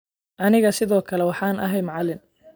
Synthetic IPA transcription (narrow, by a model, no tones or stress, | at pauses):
ʔɐnɪɣɐsɪðɔːkʰɐlɛwɑħɑːnʔɐ̰ɦɛjmʕɑlɪn